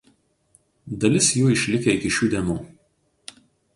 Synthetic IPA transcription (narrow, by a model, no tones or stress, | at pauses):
d̪ɐlʲɪsjuːɪʃʲlʲɪkʲɛɪkʲɪʃʲuːd̪ʲeːnuː